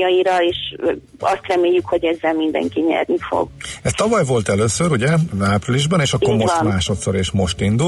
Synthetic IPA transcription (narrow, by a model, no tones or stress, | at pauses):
ɒiɾɒeːʃ | ɒst̪rɛmeːjːykhoɟɛzːɛlmind̪ɛ̰ŋkiɲɛ̰rnifo̰ɡɛst̪ɒvɒjvo̞lt̪ɛløːsøɾuɟɛaːpriliʒbɛneːʃɒkːo̞ɾmomaːʃo̞t̪so̞ɾeːʃmo̞ʃt̪ind̪u